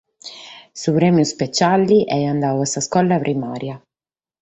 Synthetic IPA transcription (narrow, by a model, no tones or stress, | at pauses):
supɾɛːmjuspet͡ʃalːiʔɛand̪aːvuasaskɔlːapɾimaːɾja